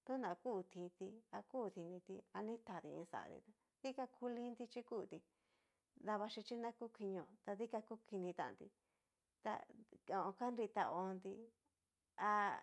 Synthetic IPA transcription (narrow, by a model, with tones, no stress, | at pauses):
t̪u˦nã˨kuː˦˧t̪ʰi˧t̪i˧a˧kuː˦˨˧t̪i˧nĩ˧t̪i˧a˧nĩ˦t̪a˨t̪ḭ˧ḭ̃˧sa̰˨a̰˨d̪ḭ˧t̪a˧ | ði˦ka˦kʰu˦lĩ˦nd̪i˧t͡ʃi˦kuː˦˨t̪i˧ | ða˧βa˧ʃi˧t͡ʃi˦nã˦ku˦ki˧ɲ˧õ˧˨t̪a˧ði˦ka˧ku˦ki˧nĩ˧t̪a̰˨nd̪ḭ˧ | t̪a̰˧o˧õ˧ka˦nɾi˧t̪a˧o˧nd̪i˧ | a˧